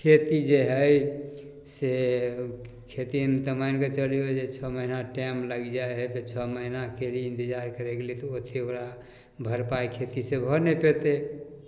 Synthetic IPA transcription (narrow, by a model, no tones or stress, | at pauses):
kʰet̪id͡ʒeɦəj | se | kʰet̪int̪əmajnket͡ʃəlijod͡ʒet͡ʃʰɔməɦinaʈɛmləɡd͡ʒaeɦɛt̪ɔt͡ʃʰɔməɦinakeliĩnt̪id͡ʒaɾkəɾeɡelit̪ɔot̪ʰeoɾa | bʱəɾpakʰet̪isebʱɔnepet̪e